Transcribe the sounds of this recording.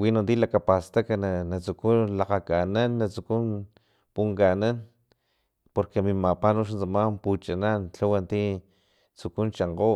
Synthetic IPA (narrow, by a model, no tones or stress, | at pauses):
winond̪ilakapast̪akananat͡sukunlaqakananːat͡sukun | puŋkanan | poɾkemimapanoʃ̬nt͡samamput͡ʃanant͡ɬawant̪i | t͡sukunt͡ʃaɴqo